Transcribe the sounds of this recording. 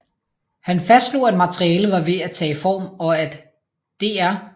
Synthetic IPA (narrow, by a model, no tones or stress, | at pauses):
hænfæsd̥slo̝̰æd̥mɑt͡sʰʁiɛːləʋɑ̈ʋe̝æt͡sʰɛ̰ːifɒ̰ːmɒ̽æd̥ | d̥e̝æɐ